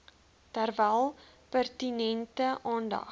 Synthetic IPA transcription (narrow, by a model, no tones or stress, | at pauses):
tərvælˠ | pærtinɛntəʔɑːndɐ̰